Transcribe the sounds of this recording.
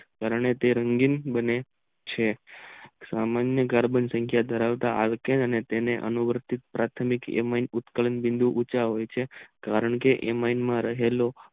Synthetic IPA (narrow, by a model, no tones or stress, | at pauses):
kaɾəɳet̪eɾəŋɡinbəne | t͡ʃʰe | samanjəɡaɾbənsə̃ŋkʰjad̪ʱəɾaʋt̪aʔa̰lkenənet̪eneʔə̰nuʋəɾt̪it̪̚pɾʔat̪ʰəmikḛmainʊt̪kələnbɪ̃nd̪ʱuʔut͡ʃaɦojt͡ʃʰekaɾəɳkeʔemainmãɾəɦelo